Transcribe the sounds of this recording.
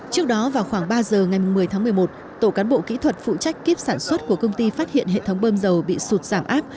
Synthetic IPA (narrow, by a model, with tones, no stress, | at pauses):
t͡ɕɨ˦˥ək̚ɗɔ˨˦vaː˨˩wxwaː˧˩ŋɓaː˧zəː˨˩ŋa˨˩jm˨˩ŋŋ͡mmɨ˨˩əjt̪ʰaː˨˦mɨ˨˩əjmo˨˩t̚ | t̪o˧˩kaː˨˦nɓo̰˧˨kḭ˧˥t̪ʰwə˨˩t̚fṵ˧˨t͡ɕa˦˥jk̟̚ki˦˥əp̚saː˧˩nswə˦˥t̚ku˧˩əkə˧wŋ͡mt̪i˧faː˦˥t̚hḭ˧˨ənɦḛ˧˨t̪ʰə˨˦wŋ͡mɓəː˧mzə˨˩wɓḭ˧˨su˨˩t̚z̥aː˧˩mʔa̰ː˦˥p̚